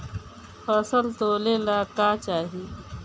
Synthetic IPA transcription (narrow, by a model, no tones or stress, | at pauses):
fʰɐːsəlt̪oːleːlaːkaːt͡ʃaːɦiː